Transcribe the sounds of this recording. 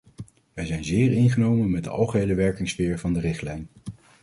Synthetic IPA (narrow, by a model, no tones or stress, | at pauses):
ʋɛjzɛjnzɪːɹɪnχənowmənmɛt̚də̰ʔɑ̰lˠχəɦejləʋɛɹkɪŋsfɪːɹvɑndərɪχtlɛjn